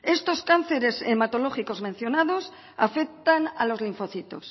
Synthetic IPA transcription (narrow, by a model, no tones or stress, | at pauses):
e̞st̪o̞skanθe̞ɾe̞semat̪olo̞xiko̞zmen̟θjo̞naðo̞s | afek̚t̪ana̰lo̞zliɱfo̞θit̪o̞̰s